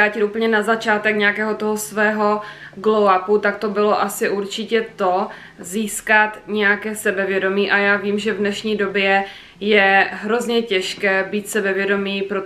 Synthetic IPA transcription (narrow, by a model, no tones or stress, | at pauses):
aːcɪt̪uːpl̩ɲɛnazat͡ʃaːt̪ɛkɲɛjakɛːɦo̞t̪oɦosvɛːɦo̞ | ɡlowaput̪ak̚t̪o̞bɪlo̞ʔasɪʔuɾt͡ʃɪcɛt̪o | ziːskat̪ɲɛjakɛːsɛbɛvjɛdo̞miːʔajaːviːmʒɛvnɛʃɲiːdo̞bjɛ | jɛɦɾo̞zɲɛcɛʃkɛːbiːt̪sɛbɛvjɛdo̞miːpɾo